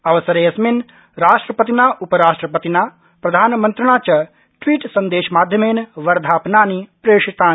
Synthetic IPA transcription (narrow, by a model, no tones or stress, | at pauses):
ɐʋɐsɐɾeːɐsmin | ɾaːʂʈɾɐpɐt̪̬inaːʔupɐɾaːʂʈɾɐpɐt̪inaː | pɾɐd̪ʱaːnɐmɐnt̪ɾɐɳaːt͡ʃɐ | ʈʋiːʈsɐnd̪eːʃɐmaːd̪ʱjɐmeːnɐʋɐɾd̪ʱaːpnaːnipɾeːʂit̪aːn